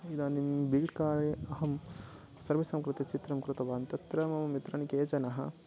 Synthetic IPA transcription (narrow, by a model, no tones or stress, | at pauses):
id̪aːnimbiːʈkaːɭiɐɦɐm | sɐɾʋisɐmkɾut̪it͡ʃit̪ɾɐmkɾut̪ɐʋaːnt̪ɐt̪ɾɐmɐmɐmit̪ɾɐɳikeːt͡ʃɐnɐɦɐ̰